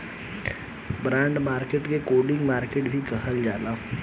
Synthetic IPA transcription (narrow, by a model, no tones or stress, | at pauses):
bɾãːɳɖmaːɾkeʈkekoːɖɪ̃ŋɡmaːɾkeːʈbʱikəɦəld͡ʒaːlaː